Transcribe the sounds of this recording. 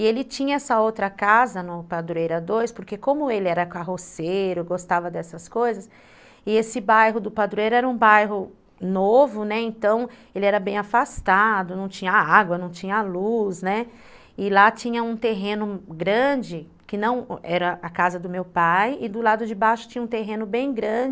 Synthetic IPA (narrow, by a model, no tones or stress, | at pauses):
ɪelɪt͡ʃĩɲɐɛsɐowt̪ɾɐkazɐnʊpad̪ɾuejɾɐd̪ojspʊɾkekõmʊelɪɛɾɐkaɦosejɾʊɡost̪avɐd̪ɛsɐskojzɐs | ɪesɪbajɦʊd̪ʊpad̪ɾuejɾɛɾɐũbajɦʊ | novʊnɛẽnt̪ɐ̃w̃ | elɪɛɾɐbẽj̃afast̪ad̪ʊnɐ̃w̃t͡ʃĩɲɐaɡwɐnɐ̃w̃t͡ʃĩɲɐalusnɛ | ɪlat͡ʃĩɲɐũt̪eɦẽnʊɡɾɐ̃d͡ʒɪ | kɪnɐ̃w̃ɛɾɐakazɐd̪ʊmewpajɪd̪ʊlad̪ʊd͡ʒɪbajʃʊ̥t͡ʃĩɲɐũt̪eɦẽnʊbẽj̃ɡɾɐ̃d͡ʒɪ